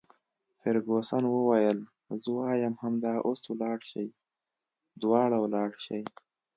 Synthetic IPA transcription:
fɪɾɡosɑnwəwajəl | zəwɑːjamhamd̪ɑʔoswlɑːɽʃa̰j | d̪wɑːɽawlɑːɽʃaj

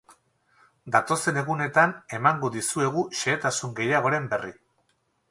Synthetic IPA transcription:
d̪at̪o̞se̞ne̞ɣune̞t̪ane̞maŋɡo̞ðisue̞ɣ̞uʃe̞ːt̪asuŋɡe̞jaɣ̞o̞ɾe̞mbe̞ri

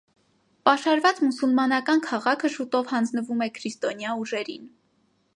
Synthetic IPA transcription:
pɑʃɑɾvɑt͡smusulmɑnɑkɑnkʰɑʁɑkʰəʃut̪ɔvhɑnd͡znəvumɛkʰɾist̪ɔnjɑuʒɛɾin

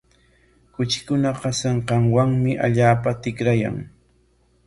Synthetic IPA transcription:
kʊt͡ʃɪ̥kʊnaqɑsaɴqɑŋwaŋmɪʔa̰ʎaːpat̪ɪkɾaja̰ŋ

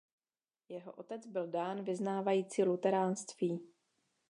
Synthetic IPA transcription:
jɛɦo̞̰ʔo̞t̪ɛt͡sbɪldaːnvɪznaːvajiːt͡siːlut̪ɛɾaːnst̪viː

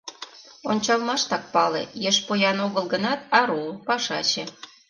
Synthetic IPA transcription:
onʲt͡ɕɑlmɑʃt̪ɑk̚pɑlḛjeʃpojɑnoɣəlɣənɑt̪̚ɑɾopɑʃɑt͡ɕĕ

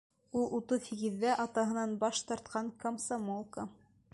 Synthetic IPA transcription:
ulˠut̪ɤθiɡɘ̆ðːæʔɑt̪ɑɦɤ̆nɑnbɑʃt̪ɑɾt̪̚qɑŋkɐmsamolˠka

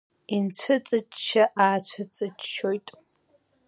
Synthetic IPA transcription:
int͡sʷʰɨt͡sʼɨt͡ʃʼʃaʔaːt͡ɕʷʰɨt͡sʼɨt͡ʃʃojtʼ

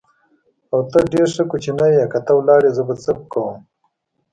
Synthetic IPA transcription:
awt̪əɖeɾʂəkut͡ʃinajakat̪awlɑːɾezəbət͡səp̚kawum

